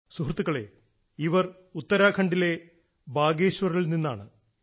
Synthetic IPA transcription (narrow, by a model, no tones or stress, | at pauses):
suɦrt̪ːuɣɐɭe̞̰ | iʋɐr | ut̪ːɐɾaːkʰɐɳɖile̞ | baːɡeːɕʋɐrɐɭilninːaːɳɨ